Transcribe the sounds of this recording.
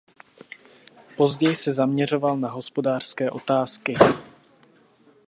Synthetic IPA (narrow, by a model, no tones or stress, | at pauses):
po̞zɟɛjsɛzamɲɛro̞valnaɦo̞spo̞daːr̥skɛːʔo̞t̪aːskɪ